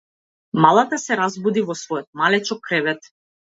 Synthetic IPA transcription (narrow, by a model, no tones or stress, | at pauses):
malˠat̪asɛɾazbud̪ivɔsvɔjɔt̪̚malɛt͡ʃɔkːɾɛvɛt̪